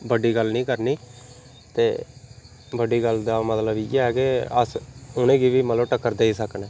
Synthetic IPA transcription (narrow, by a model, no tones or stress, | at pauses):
bəɖiːɡəlnĩːkəɾniː | t̪eː | bəɖiːɡəld̪aːmət̪ləbeɛːkeə̰sʊnẽːɡiːʋiːmət̪ləbʈəkːəɾd̪eiːsəknɛː